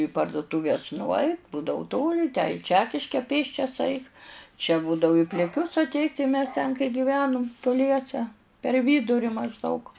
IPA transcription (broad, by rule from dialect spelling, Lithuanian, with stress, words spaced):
iː pɐrdʊtuːˈʋʲɛs nʊˈɐɪt ˈbuːdɐʋʊ ˈtoːlʲɪ tʲæː ɪ ˈt͡ʃʲæːkʲɪʃʲkʲɛ ˈpʲeːsʲt͡ʃʲɛs ˈɐɪk t͡ʃʲɛ ˈbuːdɐʋʊ ɪ pʲlʲɪˈkʲʊs ɐtʲˈɛɪtʲ tɐɪ mʲɛs tʲɛn kɐɪ ɡʲɪˈʋʲæːnʊm tʊˈlʲiɛsʲɛ pʲɛr ˈʋʲiːdʊrʲɪ mɐʒˈdɐʊk